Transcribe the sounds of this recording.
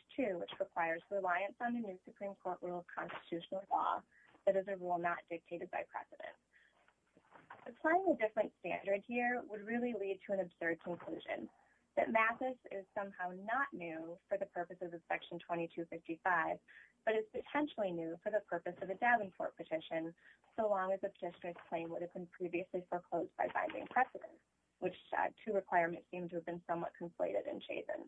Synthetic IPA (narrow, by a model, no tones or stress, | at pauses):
tʰʉwɨt͡ʃɹɨkʰw̥aɪə˞zɹɨlaɪɨ̃nsn̩ðɨnʉsɨpʰɹ̥ĩmkʰɔɹʔɹʔulˠʌv̥kʰɑ̰̃nstɨ̥tʰʉʃn̩l̩ˠlɔ̰ | ðɨɾɨzɨɹulˠnət̚d̥ɪk̚tʰeɪɾɨd̚baɪpʰɹ̥ɛ̰sɨɾɨ̰̃nt | ɨkʰl̥ãɪɪ̃ŋɨdɪfɹɨ̃ntstæ̰̃ndə˞d̚hiɹwəd̚ɹɪlˠilid̚tʰɨɨ̃nɨbz̥ɜ˞d̚kʰɨ̃nkʰl̥ʉʒɨ̰̃n | ðɨ̰ʔ̚mæθɨsɪ̰z̥sʌ̃mhaʊnətⁿnʉfə˞ðɨpʰɜ˞pɨsʌvʌv̥sɛkʃn̩tʰw̥ɛ̃ɾ̃itʰʉfɪftifaɪvb̥ʌɾɨz̥pɨtʰɛ̃nʃl̩ˠinʉfə˞ðɨpʰɜ˞pɨsʌvðɨdævɨ̃nkʰɔ̰ɹt̚pʰɨtʰɪʃɨ̃nsoʊlɔ̃ŋɨzðɨpʰə̥tʰɪʃɨnə˞z̥pʰl̥ẽɪ̃nwʊɾɨvbɨ̃n̩pʰɹ̥iviɨslifə˞kʰl̥oʊzbaɪfã̰ɪ̃ndɪ̰̃ŋpʰɹ̥ɛsɨɾɨ̰̃nts | wɨt͡ʃtʰʉɹɨkʰw̥aɪə˞mɨ̃ntsĩmtʰɨːvbɨ̃nsʌ̃mwʌt̚kʰɨ̃mpʰlḛɪɾɨ̰ɾɨ̰̃nt͡ʃʰḛɪzɨ̰̃n